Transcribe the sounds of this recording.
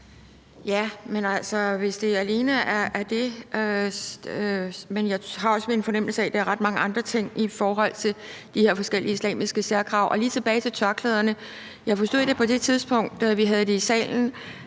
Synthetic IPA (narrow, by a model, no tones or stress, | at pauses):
jæmenæl̰sɒ̽ʋe̝sd̥e̝æle̝ːnəæɐːɐd̥e̝ø | menjɑ̈ɪhɑ̈ɒ̽sʋeenfɒ̽nem̰l̩sæd̥eæɐʁɑ̈d̥mɑ̈ŋəɑ̈nd̥ʁɐt͡sʰe̝ŋ̰ifɒːɦɒ̽l̰t͡sʰe̝ld̥ihe̝ɐ̰fɒ̽sɡ̥el̰iəislɛ̰ːmisɡ̥əsæɐkʰʁɑ̈ʊʔɒ̽liːt͡sʰe̝b̥ɛːɪt͡sʰe̝lt͡sʰɶɐɡ̥ʰlɛð̞ˠɐnə | jɑ̈ɪfɒsd̥o̝ð̰ˠd̥e̝pʰɒ̽d̥e̝t͡sʰið̞ˠsb̥ɔ̽ŋ̰d̥ʋiɦæð̞̩ˠd̥e̝isɛ̰ːln̩